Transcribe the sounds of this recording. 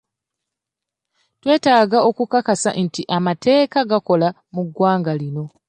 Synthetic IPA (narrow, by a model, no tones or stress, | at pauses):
twe̞ːtaːɡao̞kukakasa̰ʔntiʔamatʰe̞ːkaɡako̞la | muɡːwaːŋɡalino̞